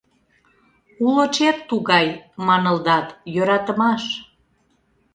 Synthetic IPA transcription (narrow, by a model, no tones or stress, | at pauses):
ulot͡ɕet̪ːuɣɑjmɑnə̆ld̪ɑt̪jøɾɑt̪ə̆mɑʃ